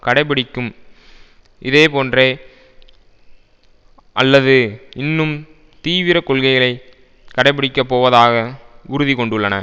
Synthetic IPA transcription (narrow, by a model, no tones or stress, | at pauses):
kɐɽɐɪp̬ːɪɽɪkːɯm | ʔɪðeːpoːndreː | ʔɐlːɐðɯɪnːɯm | t̪iːʋɪɾɐkɔɭɣɐɪɣɐɭɐɪ | kɐɽɐɪp̬ɪɽɪkːɐpːoːʋɐðaːɣɐʊɾʊðikɔɳɖɯɭːɐnɐ̰